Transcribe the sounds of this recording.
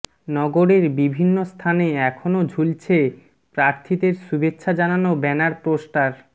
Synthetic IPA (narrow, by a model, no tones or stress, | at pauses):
nɔɡoɾeɾbibʱinːost̪ʰaneɛkʰonod͡ʑʱult͡ɕʰe | pɾaɾt̪ʰid̪eɾsubetːɕʰad͡ʑananobɛnaɾpɾosʈaɾ